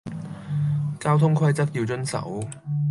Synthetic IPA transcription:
kaː˥wt̪ʰʊ˥ŋkʰwɐ˥jt͡sɐ˥k̚jiː˧wt͡ʃɵ˥nsɐ̰˨˥w

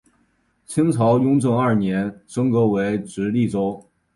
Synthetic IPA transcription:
t͡ɕʰi˥ŋt͡sʰɑ˧˥ʊjʊ˥ŋʈ͡ʂɤ˥˧ŋɐ˥˩njɛ˧˥nʂɤ˥ŋkɤ˧˥we˧˥ɪʈ͡ʂɻ̩˧˥li˥˩ʈ͡ʂo˥ʊ

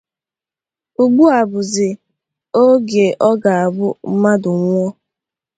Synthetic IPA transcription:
u˨ɡ͡bu˦a˨bʊ˨zɪ˨ | o˦ɡe˨ʔɔ˦ɡa˨a˨bʊ˦m̩˦ma˦dʊ˨ŋʷɔ˦

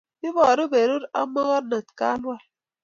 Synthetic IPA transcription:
i˦bɔ˨ɾo˦be˨ɾu˦ɾa̰˦mɔ˦ɣɔ˦tna˨tka̰˦lwa˦˨l

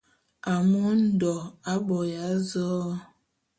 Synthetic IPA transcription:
a˨mo˦n̩˦˨dɔ˨a˦bɔ˨ja˨˦zɔː˦

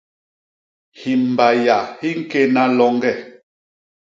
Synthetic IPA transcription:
hi˨m̩˨ba˨ja˨hi˦ŋ̩˦ke˦na˦lɔ˦ŋ˦ɡɛ˦˨

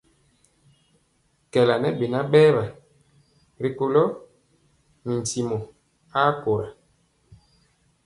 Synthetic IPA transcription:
kɛ˨la˨nɛ˦be˨na˦ɓɛː˦βa˨ | ɾi˦ko˦lɔ˦ | n̩˨ti˨mo˨ | a˦ko˨ɾa˨

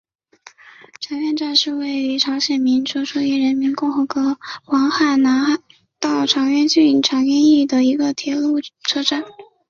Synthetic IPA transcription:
ʈ͡ʂʰɑ˧˥ŋɥɛ˥˧nʈ͡ʂa˥˧nʂɻ̩˥˧we˥˩ɪy˧˥ʈ͡ʂʰɑ˧˥ʊɕjɛ˨˩nmi˧˥nʈ͡ʂʰɤ˥ʂu˥jɛ˥˩ɻə˧˥nmi˧˥nkʊ˥˩ŋxɤ˧˥kɤ˧˥wɑ˧˥ŋxa˨˩ɪna˧˥ | t̪ɑ˥˩ʊʈ͡ʂʰɑ˧˥ŋɥɛ˥˧nt͡ɕy˥˩ʈ͡ʂʰɑ˧˥ŋɥɛ˥˧ni˥˩d̪ə˩i˧˥ɡə˧t̪ʰjɛ˧˥lu˥˩ʈ͡ʂʰɤ˥ʈ͡ʂa˥˩n

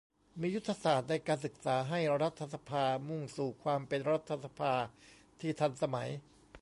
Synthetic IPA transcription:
miː˧ju˥t̪ʰːa˧saː˨˩t̪̚na˧˩jkaː˧nsɯ˨˩k̚saː˩˦ɦa˥˩jɾa˦˥t̪ʰːa˧sa˧pʰaː˧mu˧˩ŋsuː˨˩kʰwaː˧mpe˧nɾa˦˥t̪ʰːa˧sa˧pʰaː˧ | t̪ʰiː˥˩t̪ʰa˧nsa˧ma˩˦j

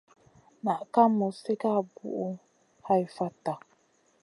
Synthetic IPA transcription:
na˨ka˦mː˦u˨se˦ka˦˨bṵ˦˨ʔu˦ | ha˦i˨fa˦ta˨

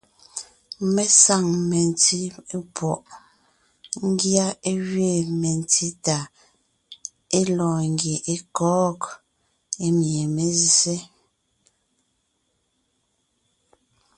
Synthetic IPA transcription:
mɛ˨sa˦˨ŋmɛ˨n˨ti˦e˦pwɔ˨ʔ | ŋ̩˦ɡja˦e˦ɣɥe˦˨me˨n˨ti˦ta˨ | e˦lɔː˨ŋɡje˨ʔe˦kɔː˦k | e˦mje˨me˨ze˦

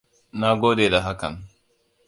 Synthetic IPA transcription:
na˨ɡo˦dɛ˨da˨ɦa˦ka˨n

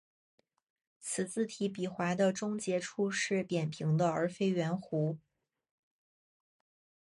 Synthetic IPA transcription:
t͡sʰɹ̩˨˩t͡sɹ̩˥˩t̪ʰi˧˥p̬i˨˩xwa˧˥ɪd̪ə˧ʈ͡ʂʊ˥ŋt͡ɕjɛ˧˥ʈ͡ʂʰu˥˧ʂɻ̩˥˩pjɛ˨˩npʰi˧˥ŋd̪ə˧ə˞˧˥fe˥ɪɥɛ˧˥nxu˧˥

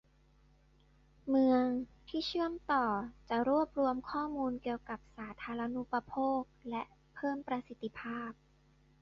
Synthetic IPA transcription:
mɯ˧əŋt̪ʰiː˥˩t͡ɕʰɯ˥˩əmt̪ɔː˨˩t͡ɕa˨˩ɾu˥˩əp̚ɾu˧əmkʰɔː˥˩muː˧nki˨˩əwka˨˩p̚saː˩˦t̪ʰaː˧ɾa˧nu˦˥pa˧pʰoː˥˩k̚lɛ˦˥ʔ | pʰɤː˥˩mpɾa˧si˨˩t̪ːi˧pʰaː˥˩p̚

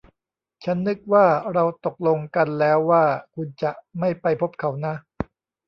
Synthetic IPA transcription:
t͡ɕʰa˦˥nːɯ˦˥k̚waː˥˩ɾa˧wt̪o˨˩k̚lo˧ŋka˧nlɛː˦˥wːaː˥˩kʰu˧nt͡ɕa˨˩ʔma˥˩jpa˧jpʰo˦˥p̚kʰa˩˦wna˦˥ʔ

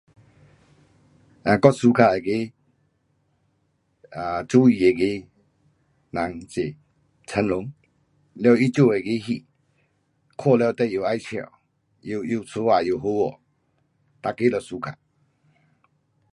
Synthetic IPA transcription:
ã˨kɔ˦su˧kʰa˧˩e˨ɡe˦ | a˨t͡su˦i˨e˨ɡe˦ | na˨˦ŋt͡ɕe˨ | t͡sʰə˧nlʊ˨˦ŋ | lwi˦t͡ɕu˥˨e˨ɡe˧˦ɦi˧˨ | kʰɔ˥˧˨lɔ˧wt̪ɛ˧˨ju˨a˦jt͡ɕʰḛ˨ | ju˨ju˨˧˨t͡sʰu˧˦wa˨ju˨ɦu˧˦wɔ˨ | t̪a˧˨ke˦lɔ˨˩su˧kʰa̰˧˨

